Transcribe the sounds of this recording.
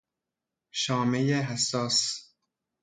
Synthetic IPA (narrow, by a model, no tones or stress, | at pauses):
ʃɒːmejeɦæsːɒːs